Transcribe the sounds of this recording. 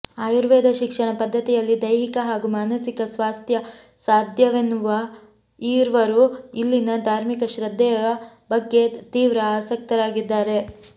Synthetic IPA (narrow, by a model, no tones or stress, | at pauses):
aːjuɾʋɛːd̪ʱɐʃikʂɐɳɐpɐd̪ʱːɐt̪ijɐlːid̪ɐjɦikɐɦaːɡumaːnɐsikɐsʋaːst̪ʰjɐ | saːd̪ʱjɐʋenuʋɐ | iːɾʋɐɾuilːinɐd̪ʱaːɾmikɐʃɾɐd̪ʱːɛjɐɐbɐɡːe̞t̪iːʋɾɐaːsɐk̚t̪ɐɾaːɡid̪ːaːɾe̞